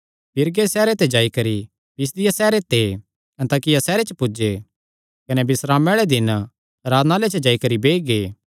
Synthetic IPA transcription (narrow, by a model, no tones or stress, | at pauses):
bɪɾɡesɛːɾet̪ed͡ʒaːikɐɾi | bɪs̬d̪ɪjasɛːɾet̪e | ɛ̃nt̪aːkɪjasɛːɾet͡ʃəpʊd͡ʒe | kɐnɛbɪsɾaːmɛɭed̪ɪn | ɾaːd̪nalet͡ʃəd͡ʒaːikɐɾibeːiɡeː